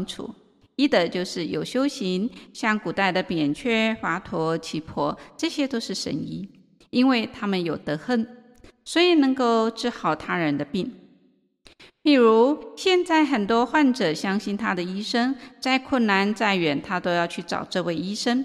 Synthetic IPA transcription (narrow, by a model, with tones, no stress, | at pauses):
ŋʈ͡ʂʰṵ˨˩˦ | i˥d̪ə˨t͡ɕjo˥˧ʊʂɻ̩˥˩jo˨˩ʊɕjo˥ʊɕi˧˥ŋɕjɑ˥˩ŋku˨˩t̪a˥˩ɪd̪ə˩pjɛ˨˩nt͡ɕʰɥɛ˥˩fa˧˥t̪ʰwɔ˧˥t͡ɕʰi˧˥pʰwɔ̰˥ʈ͡ʂɤ˥˧ɕjɛ˥t̪o˥ʊʂɻ̩˥˩ʂə̰˧˥ni˥ | i˥nwe˥˩ɪt̪ʰa˥mə˨njo˨˩ʊt̪ɤ˧˥xə˥˩n | swɔ˧˥i˨˩nɤ˧˥ŋko˥˧ʊʈ͡ʂɻ̩˥˧xɑ˥˩ʊt̪ʰa˥ɻə˧˥nd̪ə˧pi˥˩ŋ | pi˨˩ɻu˧˥ɕjɛ˥˧nt͡sa˥˩ɪxə˨˩nt̪wɔ˥xwa˥˩nʈ͡ʂɤ˨˩ɕjɑ˥ŋɕi˥˩nt̪ʰa˥d̪ə˨i˥ʂɤ˥ŋt͡sa˥˧ɪkʰwə˥˩nna˧˥nt͡sa˥˩ɪɥɛ˨˩nt̪ʰa˥t̪o˥ʊjɑ˥˧ʊt͡ɕʰy˥˩ʈ͡ʂɑ̰˨˩ʊʈ͡ʂɤ˥˧we˥˩ɪi˥ʂə˥ŋ